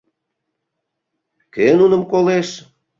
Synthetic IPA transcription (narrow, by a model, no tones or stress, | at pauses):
kenunəmkoleʃ